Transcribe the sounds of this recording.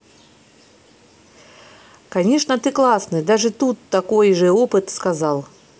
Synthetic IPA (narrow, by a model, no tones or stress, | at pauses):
kanʲeʂnət̪ɨklˠasnɨd̪aʐɨt̪ut̪ːakojʐɨopɨt̪skazalˠ